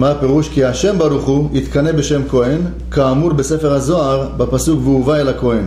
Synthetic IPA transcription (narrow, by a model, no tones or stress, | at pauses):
mape̞ʁuʃkiaʃe̞mbaɾuχuit̪kanebeʃe̞mko̞en | kaːmuɾbesefeʁhazo̞aʁbapasukveuvaelhako̞en